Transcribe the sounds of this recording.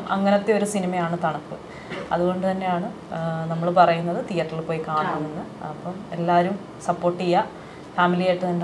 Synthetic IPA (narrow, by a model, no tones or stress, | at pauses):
ɐŋːɐnɐt̪ːe̞oɾusinimɐjaːɳɨt̪ɐɳɐkːu | ɐðuɣo̞ɳɖut̪ɐnːe̞jaːɳɨ | nɐmːɐɭpɐrɐjunːɐðɨt̪ijɐʈːilpːo̞ːjikaːɳɐmenːɨ | ɐpːɐme̞lːaːɐɾum | sɐpːo̞ːʈːijɐ | faːmilijaːjʈːɨt̪ɐnːe